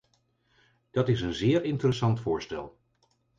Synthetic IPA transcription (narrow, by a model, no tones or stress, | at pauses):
d̥ɑtɪsənzɪːɹɪntərəsɑntfʊːɹstɛ̰lˠ